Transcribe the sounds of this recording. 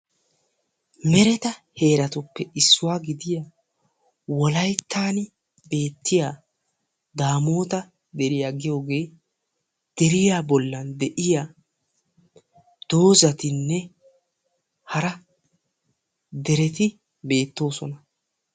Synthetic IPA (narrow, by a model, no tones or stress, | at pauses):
mɛɾɛt̪ɐhe̞ːɾɐt̪ʊpːɛɪsːʊwaːɡɪd̪ɪja | wɔlɐjt̪ʰːaːnɪ | be̞ːt̪ːɪjaː | d̪aːmo̞ːt̪ɐ | d̪ɛɾɪjaːɡɪjo̞ːɡe̞ː | d̪̥ɛɾɪjaːbɔlːɐnd̪ɛʔɪjaː | d̪̥o̞ːzɐt̪ɪnːɛ | hɐɾɐ | d̪ɛɾɛt̪ɪ | be̞ːt̪ːo̞ːsɔnɐ